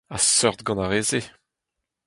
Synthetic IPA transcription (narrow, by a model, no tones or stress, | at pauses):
asœʁt̪ɡɑ̃naʁeːze